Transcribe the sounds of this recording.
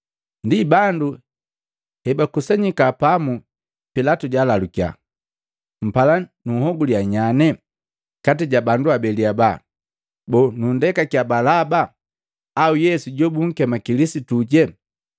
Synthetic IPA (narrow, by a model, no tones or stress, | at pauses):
ndibandu | hɛbakusɛɲikapamu | pilatuɟalalukja̰ | m̩palanuhɔɡuliaɲanɛ | katiɟabanduabɛliaba | bɔnundɛkakjabalabaː | ujɛsuɟɔbuŋ̩kɛmakilisituɟɛ